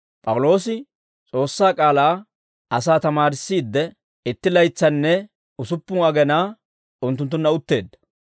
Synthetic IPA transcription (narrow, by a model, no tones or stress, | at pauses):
pʼɐwʊlo̞ːsɪ | t͡sʼo̞ːsːaːkʼaːlaː | ɐsaːt̪ɐmaːɾɪsːiːd̪ːɛ | ɪt̪ːɪlɐjt͡sːɐnːɛ | ʊsʊpːʊŋɐɡɛnaː | ʊnt̪̬ːʊnt̪̬ːʊnːɐʊt̪ːe̞ːd̪ːɐ